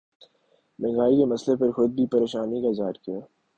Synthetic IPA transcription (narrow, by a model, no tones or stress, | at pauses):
mɛ̃ːŋɡaːikemɐslepɐɾxʊd̪̚bʱipɐɾeːʃaːnikazaːɾkijaː